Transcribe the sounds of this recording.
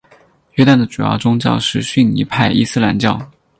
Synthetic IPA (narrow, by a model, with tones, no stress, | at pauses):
ɥɛ˥t̪a˥˩nd̪ə˩ʈ͡ʂu˨jɑ̰˥˩ʊʈ͡ʂʊ˥ŋt͡ɕjɑ̰˥˧ʊʂɻ̩˥˧ɕy˥˩nni˧˥pʰa˥˩ɪʔḭ˥˧sɹ̩˥la̰˧˥nt͡ɕjɑ˥˩ʊ